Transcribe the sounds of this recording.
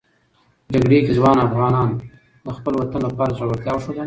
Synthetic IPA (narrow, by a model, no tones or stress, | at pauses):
d͡ʒaɡɽekezwɑnafɣɑnɑn | d̪əxpəlwat̪ənlapɑɾazoɽat̪jɑwʃod̪a